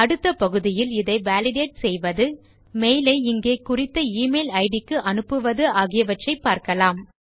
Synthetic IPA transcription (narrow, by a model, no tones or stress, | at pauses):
ɐɽɯt̪ːɐpɐɣɯðɪjɪlɪðɐɪʋaːlɪɽeːʈsɛjʋɐðɯ | mejlɐɪɪŋɡeːkːʊrɪt̪ːɐiːmeːlɐɪɽɪkːɯʔɐnɯpːɯʋɐðɯʔaːɣɪjɐʋɐʈrɐɪpːaːɾkɐlaːm